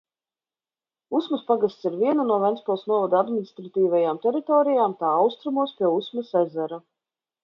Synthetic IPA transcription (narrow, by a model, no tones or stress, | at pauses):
usmuspaɡast̪siɾvʲiɛnanuɔvɛnspɔlˠsnuɔvad̪ad̪minʲist̪ɾat̪iːvajaːmt̪ɛɾit̪ɔːɾijaːmt̪aːawst̪ɾumuɔspʲiɛusmusɛzɛɾa